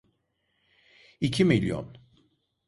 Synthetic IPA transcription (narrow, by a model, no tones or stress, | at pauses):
icʰimilʲjo̰n